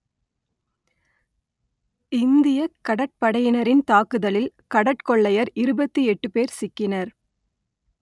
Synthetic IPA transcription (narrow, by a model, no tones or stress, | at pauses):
ɪnd̪ɪjɐkːɐɽɐʈ̚pɐɽɐjɪnɐɾɪnt̪aːkɯðɐlɪlkɐɽɐʈkɔɭːɐjɐɾɪɾɯbɐt̪ːiɛʈːɯpeːɾsɪkːɪnɐɾ